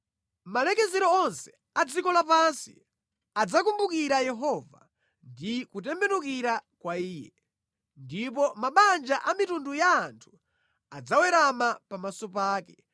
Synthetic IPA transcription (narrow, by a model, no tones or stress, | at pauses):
malɛkɛzɛɾɔɔnsɛ̥ | ad͡zikɔlapansḭ | ad͡zakumbukiɾajɛɦɔva̰ | ndikutɛmbɛnuk̬iɾakwaiːjɛ̰ | ndip̬ɔmaɓand͡ʒaʔamitundujaːntʰu̥ | ad͡zawɛɾamapamasɔpaːkɛ